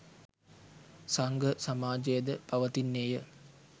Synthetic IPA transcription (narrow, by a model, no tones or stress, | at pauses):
saŋɡəsamaːd͡ʒejəd̪əpaʋət̪inːejə